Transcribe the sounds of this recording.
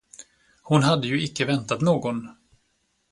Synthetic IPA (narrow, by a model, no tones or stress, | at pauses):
hʊnɦad̪ːəjɵɪkːəvɛnt̪at̪noːɡɔn